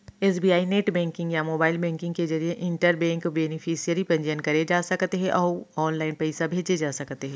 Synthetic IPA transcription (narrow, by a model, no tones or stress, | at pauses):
eːs̬biːaːineːʈbɛ̃ːŋkɪ̃ŋɡjamoːbaːɪlbɛ̃ːŋkɪ̃ŋɡked͡ʒɐɾieʔɪ̃ɳʈəɾbɛ̃ːŋkbeːnɪfʰiːsijəɾipɐ̃ɲd͡ʒənkɐɾed͡ʒaːsɐkt̪eɦɛ̃ʔɔːɾɔːnlaːɪnpɛɪsabʱeːd͡ʒed͡ʒaːsɐkt̪eɦɛ̃ː